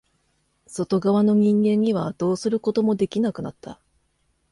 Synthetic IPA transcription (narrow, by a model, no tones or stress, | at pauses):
so̞t̪o̞ɡaβano̞ɲ̟ĩŋɡẽ̞ɲ̟ːiβ̞ad̪̥o̞ːsɨɾɯ̟ko̞t̪o̞mo̞d̪e̞kʲinakɯ̟nat̪ːa